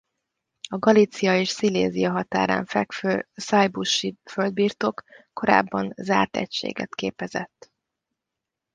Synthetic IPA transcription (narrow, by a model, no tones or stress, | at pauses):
ɒɡɒlit̪sijɒeːʃsilḛːzijɒɦɒt̪aːɾa̰ːɱfɛkføsɒjbuʃiføld̪̚biːrt̪o̞kː | o̞ɾa̰ːbːɒnzaːrt̪ɛ̰cʃḛːɡɛ̰t̪keːpɛzɛt̪ː